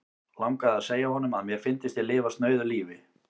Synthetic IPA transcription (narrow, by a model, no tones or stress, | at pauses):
lawŋkaðaðseːjahɔnʏmaðmjɛɾ̥fɪnt̪ɪst̪jɛlɪːvast̪nœːɥðʏliːvɪ